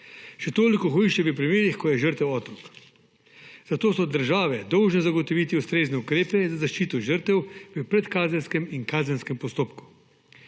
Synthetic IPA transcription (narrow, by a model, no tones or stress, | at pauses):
ʃɛt̪oːlikɔxɔiʃt͡ʃɛʋəpɾimeːɾixkɔjɛʒəɾt̪ɛwɔːt̪ɾɔk | zat̪oːsɔd̪əɾʒaːʋɛd̪ɔwʒnɛzaɡɔt̪ɔʋiːt̪iust̪ɾeːznɛukɾeːpɛzazaʃt͡ʃiːt̪ɔʒəɾt̪ɛwʋəpɾɛt̪kaːzɛnskɛminkaːzɛnskɛmpɔst̪oːpku̥